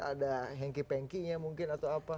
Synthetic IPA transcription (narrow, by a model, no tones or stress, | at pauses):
a̰daɦɛŋkipɛŋkiɲamuŋkɪnat̪awapa